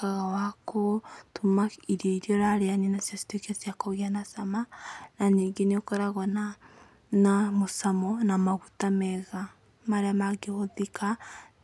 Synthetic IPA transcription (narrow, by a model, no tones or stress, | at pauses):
kaɣawakotumaiɾiɔiɾiɔɾaɾeaninasjasi̥tokiasjakoɣeanasamananiːŋɡeneokoɾaɣɔna | namosamɔnamaɣutamɛɣa | maɾeamaɡehoðika